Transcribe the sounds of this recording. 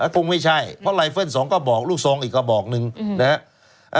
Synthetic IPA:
a˧˩kʰo˧ŋma˥˩jt͡ɕʰa˥˩jpʰɔ˦˥˩la˧jfʰɤː˥˩nsɔː˩˦ŋkɔː˥˩bɔː˨˩k̚luː˥˩k̚soː˧ŋʔiː˨˩kːɔː˧˥˩bɔː˨˩k̚nɯ˧ŋna˦a˦˥ | ʔ

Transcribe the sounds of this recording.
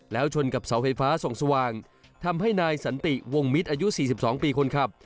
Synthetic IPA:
lɛː˦˥wt͡ɕʰo˧nka˨˩p̚sa˩˦wfa˧jfaː˦˥so˨˩ŋsa˧waː˨˩ŋ | t̪ʰa˧mɦa˥˩jnaː˧jsa˩˦nt̪i˨˩wo˧ŋmi˦˥t̪̚ʔaː˧ju˦˥siː˨˩i˨˩p̚sɔː˩˦ŋpiː˧kʰo˧nkʰɾa˦˥˩p̚

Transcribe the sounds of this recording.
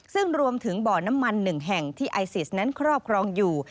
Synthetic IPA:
sɯ˥˩ŋɾu˧əmt̪ʰɯ˩˦ŋbɔː˨˩na˦˥mːa˧nːɯ˨˩ŋɦɛ˨˩ŋt̪ʰiː˥˩ʔa˧jsi˨˩sna˦˥nkʰɾɔː˥˩p̚kʰɾɔː˧ŋjuː˨˩

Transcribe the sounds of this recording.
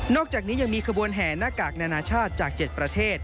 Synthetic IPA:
nɔː˥˩k̚t͡ɕaː˨˩k̚niː˦˥ja˧ŋmiː˧kʰa˧bu˧ənɦɛː˩˦naː˥˩kaː˨˩k̚naː˧naː˧t͡ɕʰaː˥˩t̪̚t͡ɕaː˨˩k̚t͡ɕe˨˩t̪̚pɾa˧t̪ʰeː˥˩t̪̚

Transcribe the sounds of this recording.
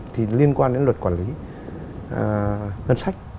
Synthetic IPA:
t̪ʰi˨˩li˧ənkwaː˧nɗe˨˦nlwə˨˩t̚kwaː˧˩nli˨˦˨ | həː˧nsa˦˥jk̟̚

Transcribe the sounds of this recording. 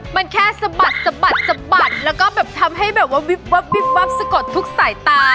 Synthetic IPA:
ma˧nkʰɛː˥˩sa˧ba˨˩t̪̚sa˧ba˨˩t̪̚sa˧mba˨˩t̪̚lɛː˦˥wkɔː˥˩bɛː˨˩p̚t̪ʰa˧mɦa˥˩jbɛː˨˩p̚waː˥˩wi˦˥p̚wa˦˥p̚wi˦˥p̚wa˦˥p̚sa˧ko˨˩t̪ʰːu˦˥k̚saː˩˦jt̪aː˧

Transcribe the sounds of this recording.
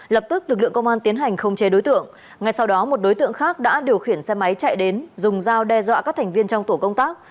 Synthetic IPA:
lə˨˩p̚t̪ɨ˦˥k̚lɨ˨˩k̚lɨ̰˧˨əŋkə˧ŋ͡mʔaː˧nt̪i˨˦ənɦa˨˩jŋ̟xə˧wŋ͡mt͡ɕe˨˦ɗo˨˦jt̪ɨ̰˧˨əŋː | a˧jsa˧wɗɔ˨˦mo˨˩t̚ɗo˨˦jt̪ɨ̰˧˨əŋxaː˦˥k̚ɗa̰ː˧˥ɗi˨˩əwxi˧˩ənsɛ˧ma˨˦jt͡ɕa̰˧˨jɗe˨˦nzʊ˨˩ŋ͡mzaː˧wɗɛ˧zwa̰ː˧˨kaː˦˥k̚t̪ʰŋ̟vi˧ənt͡ɕɔ˧ŋ͡mt̪u˧˩əkə˧wŋ͡mt̪aː˦˥k̚

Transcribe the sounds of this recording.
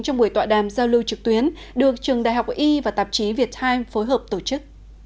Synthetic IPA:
ŋt͡ɕɔ˧wŋ͡mɓu˧˩əjt̪wa̰ː˧˨ɗaː˧˨˩mzaː˧wlɨ˧wt͡ɕɨ˨˩k̚t̪wi˨˦ən | ɗɨ˨˩ək̚t͡ɕɨ˨˩əŋɗa̰ː˧˨jɦa˨˩wk͡pʔi˧vaː˨˩t̪aː˨˩p̚t͡ɕi˨˦vi˨˩ət̚t̪ʰaː˧jmfo˨˦jɦəː˨˩p̚t̪o˧˩t͡ɕɨ˦˥k̚

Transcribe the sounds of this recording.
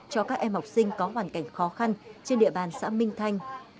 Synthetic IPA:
t͡ɕɔ˧kaː˦˥k̚ʔɛ˧mha˨˩wk͡p̚sï˧ŋ̟kɔ˨˦ɦwaː˨˩nka˧˩jŋ̟xɔ˨˦xa˧nt͡ɕe˧nɗḭ˧˨əɓaː˨˩nsa̰ː˧˥mï˧ŋ̟t̪ʰa˧jŋ̟

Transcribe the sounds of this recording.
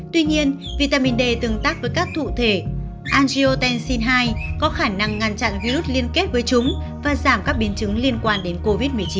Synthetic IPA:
t̪wi˧ɲi˧ən | vi˧˩t̪aː˧mi˧nɗe˧˩t̪ɨ˨˩ŋt̪aː˦˥k̚vəː˨˦jkaː˦˥k̚t̪ʰṵ˧˨t̪ʰe˧˩ | ʔaː˧nzi˧ʔo˧t̪ɛ˧nsi˧nɦaː˧jkɔ˨˦xaː˧˩na˧ŋːa˨˧˩nt͡ɕa̰˧˨nvi˧zu˦˥t̚li˧ənke˦˥t̚vəː˨˦jt͡ɕʊ˨˦ŋ͡m | vaː˨˩zaː˧˩mkaː˦˥k̚ɓi˨˦ənt͡ɕɨ˨˦ŋli˧ənkwaː˧nɗe˨˦nko˧vi˦˥t̚mɨ˨˩əjt͡ɕi˨˦n

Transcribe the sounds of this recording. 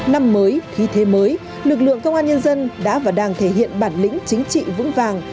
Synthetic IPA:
na˧mːəː˨˦jt̪ʰi˨˧˦t̪ʰe˨˦məː˨˦j | lɨ˨˩k̚lɨ̰˧˨əŋkə˧wŋ͡mʔaː˧nɲə˧nzə˧nɗa̰ː˧˥vaː˨˩wɗaː˧˩ŋt̪ʰe˧˩ɦḭ˧˨ənɓaː˧˩nlï˧˥ŋ̟t͡ɕï˨˦ŋ̟t͡ɕḭ˧˨vɨ̰˧˥ŋvaː˨˩ŋ

